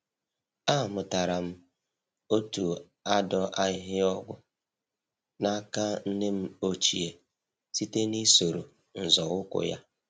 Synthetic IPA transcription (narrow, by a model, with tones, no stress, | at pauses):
a˦˨mʊ˨ta˨ɾa˨m̩˦ | o˦tu˨ | a˦dɔ˦ʔa˦ɪ˦ɦɪ˦ɔ˦ɡʷʊ˦ | na˦ka˦n̩˦ne˦m̩˦o˦t͡ʃi˨e˨ | si˦te˦ni˦so˨ɾo̰˨ | n̩˨zɔ˨ʊ˦kʷʊ̰˨ja̰˦